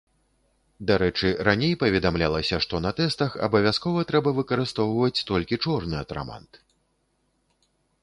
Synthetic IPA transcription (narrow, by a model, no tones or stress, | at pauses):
d̪aɾɛt͡ʂɨɾanʲejpɐvʲɛd̪amlʲalˠɐsʲɐʂt̪ɔnɐt̪ɛst̪ɐxɐ̰bɐvʲaskɔvɐt̪ɾɛbɐvɨkɐɾɨst̪ɔwvɐt͡sʲt̪ɔlʲkʲit͡ʂɔrnɨɐt̪ɾa̰ma̰nt̪